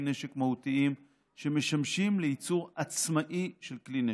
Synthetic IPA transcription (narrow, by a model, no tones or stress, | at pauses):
ne̞ʃekmahutiim | ʃe̞me̞ʃamʃimleit͡suʁat͡smaʔiʃe̞lkline